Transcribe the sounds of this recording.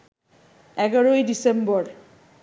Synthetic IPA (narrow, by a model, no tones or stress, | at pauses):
ɛɡaɾojdisembɔɾ